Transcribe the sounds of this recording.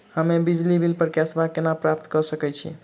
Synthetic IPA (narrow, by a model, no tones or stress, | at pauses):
həmebid͡ʒlibʱilpəɾkjasbakenapɾap̚t̪kəɾsəkɛt͡ʃʰḭ